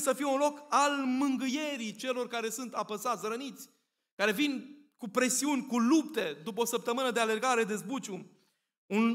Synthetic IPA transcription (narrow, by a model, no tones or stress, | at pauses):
səfijeunlo̞kalmɨŋɡɨje̞ɾit͡ʃe̞lo̞rkaɾe̞sunt̪apəsat̪sʲrənit̪sʲ | kaɾe̞vinkupɾe̞siunʲkulupt̪e̞d̪upəosəp̚t̪əmɨnəd̪e̞ale̞rɡaɾe̞d̪e̞zbut͡ʃu | un